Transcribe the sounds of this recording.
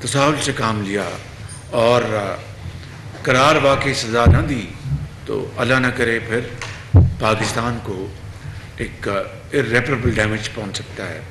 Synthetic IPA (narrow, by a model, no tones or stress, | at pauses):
t̪ɐsaːɦʊlsekaːmlija̰ | ɔːɾ | kɐɾaːɾʋaːkeisɐzanɐd̪iːt̪o̰ːʔɐlanɐkɐɾepʰɪɾ | paːkɪst̪aːnko | eːk | ɪɾɛːpəɾəbəlɖɛːmɪd͡ʒpɔɦʊ̃nt͡ʃsɐk̚t̪aɦɛ̰ː